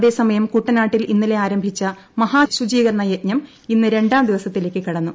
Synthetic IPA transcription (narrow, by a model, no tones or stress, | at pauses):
ðe̞ːsɐmɐjɐmkuːʈːɐnaːʈːilinːile̞aːɾɐmbʱit͡ɕːɐ | mɐɦaːɕud͡ʑiːɣɐɾɳɐjet̚ɲɐm | inːɨɾe̞ɳɖaːmd̪iʋɐsɐt̪ːileːkʲːɨkiɽɐnːu